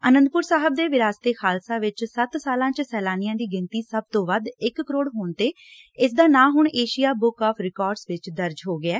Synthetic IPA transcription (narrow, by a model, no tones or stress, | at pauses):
ənə̃nd̪pʊɾsaːɦəb̚d̪eːʋɪɾaːst̪eːxʰaːlsaːʋɪt͡ʃsət̪saːlãːt͡ʃsɛːlaːnɪjãːd̪iːɡɪ̃nt̪iːsəb̚t̪õːʋəd̪ɪkːəɾoːɽɦoːɳt̪eː | ɪsd̪aːnãːɦʊɳeːʃijaːbʊkaːpʰɾɪkɔːɾɖsʋɪt͡ʃd̪əɾd͡ʒɦoːɡɪɛː